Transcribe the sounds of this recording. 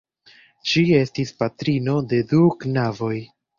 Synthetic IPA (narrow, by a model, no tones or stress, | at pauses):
t͡ʃie̞stispatɾino̞de̞duknavo̞j